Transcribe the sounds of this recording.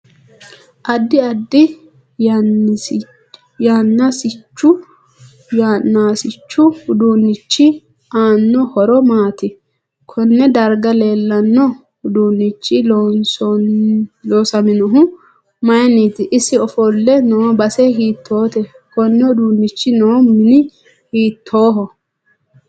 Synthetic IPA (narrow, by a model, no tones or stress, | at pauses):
ʔɐd̪ːɪɐd̪ːɪ | jaːnːasɪt͡ʃːʊ | janːaːsɪt͡ʃːʊhʊd̪uːnːɪt͡ʃːɪ | aːnːɔhɔɾɔmaːt̪ɪ | kʰɔnːɛd̪ɐɾɡɐle̞ːlːɐnːɔ | hʊd̪uːnːɪt͡ʃːɪlnsɔ | loːsɐmɪnɔɦʊ | mɐjɐniːt̪ɪʔɪsɪɔfɔlːɛnobɐsɛɦiːt̪ʰːo̞ːt̪ɛ | kɔnːɛʊd̪uːnːɪt͡ʃːɪnoːmɪnɪ | hiːt̪ʰːoːɦɔ